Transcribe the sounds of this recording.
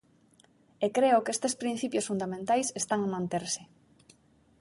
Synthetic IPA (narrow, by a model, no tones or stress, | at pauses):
ekɾeʊkest̪espɾin̟θipjʊsfund̪amẽnt̪ajsest̪aŋamãnt̪eɾsɪ